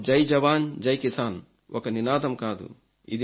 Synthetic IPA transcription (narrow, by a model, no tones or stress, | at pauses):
d͡ʒɐjd͡ʒɐʋaːnd͡ʒɐjkisaːn | ʔokɐninaːd̪ɐmkaːd̪ṵ | ḭd̪i